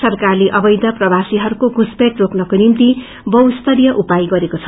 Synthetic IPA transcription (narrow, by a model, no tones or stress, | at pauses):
sʌrkarleʔʌbʌjd̪ʌprʌbʱasiɦʌɾukoɡuspeʈroknʌkonimt̪i | bʌwst̪ʰʌɾijʌʔupajɡʌɾekot͡sʰʌ̥